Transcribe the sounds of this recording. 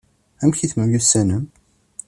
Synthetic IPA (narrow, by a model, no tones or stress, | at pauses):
æmçiθməmjusːænəm